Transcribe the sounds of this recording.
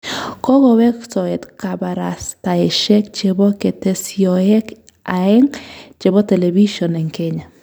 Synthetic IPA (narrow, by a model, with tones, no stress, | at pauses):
kɔ˦ɡɔ˨wɛ˦ksɔ˨ɛ˨t̪ka˨ba˨ɾa˨sta˨ɛ˨ʃɛ˦kt͡ʃe˦bɔ˦ke˨te˦siɔɛ˦k | a˨ɛ˦ŋt͡ʃe˨bɔ˦tɛ˨lɛ˨bi˦ʃɔ˨nɛ˨ŋke˦ɲa˨